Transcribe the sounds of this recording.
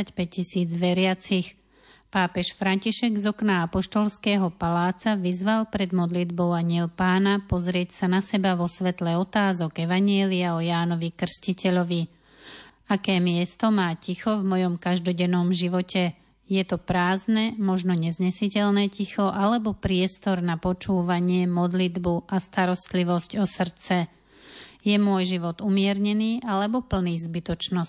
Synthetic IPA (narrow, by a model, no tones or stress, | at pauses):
acpɛc̚cːisiːd͡zʋɛɾɪat͡six | paːpɛʃfɾaɲciʃɛɡzɔknaapɔʃt̪ɔlskɛːɦɔpalaːt͡saʋizʋalpɾɛd̪mɔd̪lid̪bɔʊaɲɪɛlpaːnapɔzɾɪɛcsanasɛbaʋɔsʋɛt̪lɛɔt̪aːzɔɡɛʋaɲɪɛliaɔjaːnɔʋikr̩scicɛʎɔʋi | akɛːmɪɛst̪ɔmaːcixɔvmɔjɔmkaʒd̪ɔɟɛnɔmʒiʋɔcɛ | jɛt̪ɔpɾaːznɛmɔʒnɔɲɛzɲɛsicɛʎnɛːcixɔʔalɛbɔpɾɪɛst̪ɔɾnapɔt͡ʃuːʋaɲɪɛmɔd̪lid̪buʔast̪aɾɔst̪liʋɔscɔsr̩t͡sɛ | jɛmʊɔjʒiʋɔd̪umɪɛɾɲɛniːʔalɛbɔpl̩niːzbit̪ɔt͡ʃnɔs